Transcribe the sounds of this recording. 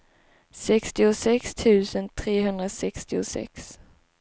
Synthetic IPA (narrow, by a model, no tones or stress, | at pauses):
sɛkst̪ɪʊsɛkst̪ʰʉ̟ːsənt̪ʰɾeːɦɵnd̪ɾasɛkst̪ɪʊsɛ̰ks